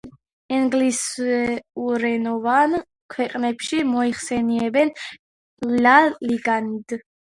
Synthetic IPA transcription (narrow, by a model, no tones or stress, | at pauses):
ɛŋɡlisɛuɾɛnɔvan | kʰwɛqʼnɛpʃimɔiχsɛniɛbɛn | laliɡanid̪